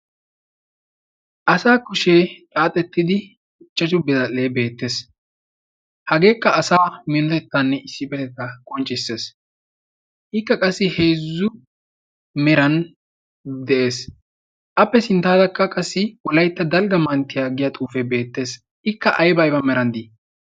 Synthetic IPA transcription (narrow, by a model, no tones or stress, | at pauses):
ʔɐsaːkʊʃeːt̪ʼaːt̪ʼɛt̪ːɪd̪ɪ | ɪt͡ʃːɐt͡ʃʊbɪzɐleːbe̞ːt̪ːe̞ːs | hɐɡe̞ːkːɐɐsaːmɪnɔt̪ɛt̪ːanːɛɪsːɪbɛt̪ɛt̪ːɐkʼɔnt͡ʃʼɪsːe̞ːs | ʔɪkːɐkʼɐsːɪhe̞ːzːʊ | mɛɾɐn | d̪ɛʔe̞ːs | ʔɐpːɛsɪnt̪aːd̪ɐkːɐkʼɐsːɪwɔlɐjt̪ːɐd̪ɐlɡɐmɐnt̪ːɪjaːɡɪjat̪ʼuːfɛbe̞ːt̪ːe̞ːs | ʔɪkːɐʔɐjbɐjbɐmɛɾɐnd̪i